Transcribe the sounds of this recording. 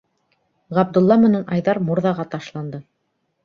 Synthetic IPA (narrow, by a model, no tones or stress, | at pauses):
ʁæb̚d̪ɵ̆lˠːɑmɘ̆nænʔɑjðɑɾmuɾðɑʁɑt̪ɑʃlˠɑnd̪ɤ